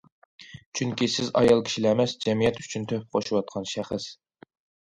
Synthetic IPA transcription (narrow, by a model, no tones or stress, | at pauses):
t͡ʃʰyŋkʲisɪzɑ̰jɑlˠkʲʰi̥ʃilɛmɛsd͡ʒɛmijɛt̪y̥t͡ʃʰynt̪ʰøp̚qʰoʃuwɑt̪̚qʰɑnʃæχəs